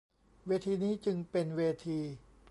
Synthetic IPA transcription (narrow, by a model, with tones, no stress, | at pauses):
weː˧t̪ʰiː˧niː˦˥t͡ɕɯ˧ŋpe˧nweː˧t̪ʰiː˧